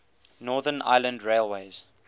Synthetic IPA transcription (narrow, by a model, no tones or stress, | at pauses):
nɔːðənʔa̰ɪlə̃ndɹeɪlˠweɪz̥